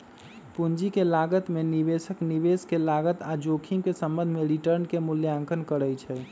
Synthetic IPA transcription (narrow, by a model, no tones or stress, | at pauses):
pund͡ʒikelaɡət̪menibesəknibeskelaɡət̪ad͡ʒokʰimkesəmbə̃nd̪ʱmeɾiʈəɾnkemuljãŋkʰənkəɾəjt͡ʃʰɛ